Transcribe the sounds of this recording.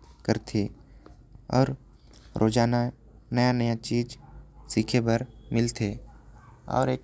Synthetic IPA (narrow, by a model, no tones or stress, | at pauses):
kəɾt̪ʰi | ɔ̰ːɾ | ɾʔoːd͡ʒaːna | nəjanəjat͡ʃiːd͡ʒsiːkʰebɐɾmɪlt̪ʰeː | ɔ̰ːɾeːk